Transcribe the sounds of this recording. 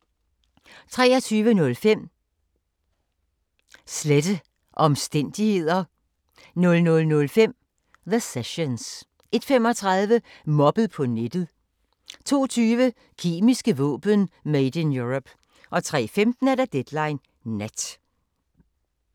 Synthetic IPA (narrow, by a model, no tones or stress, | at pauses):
t͡sʰʁɛːɒt͡sʰyːʋənɔ̽lfem̰ | sled̥ə | ʔɒ̽msd̥en̰d̥ihe̝ð̞̰ˠɐ | nɔ̽lnɔ̽lnɔ̽lfem̰ | ðəseɕons | ʔe̝d̥fem̰ɒ̽t͡sʰʁɑðˠʋə | mɒ̽b̥əð̩ˠpʰɒ̽ned̥ð̩ˠ | t͡sʰo̝̰ːt͡sʰyːʋə | kʰe̝̰ːmisɡ̥əʋɔ̰̽ːb̥ənmeɪd̥ənjuʁɔb̥ | ʔɒ̽t͡sʰʁɛ̰ːfemd̥n̩æɾ̥æd̥ed̥lɑ̈ɪnː | æd̥